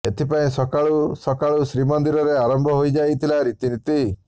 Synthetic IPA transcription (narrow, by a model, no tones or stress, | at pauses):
et̪ʰipaĩsɔkaɭusɔkaɭusɾimɔnd̪iɾɔɾeaɾɔmbʱɔɦojd͡ʒajt̪ʰilaɾit̪init̪i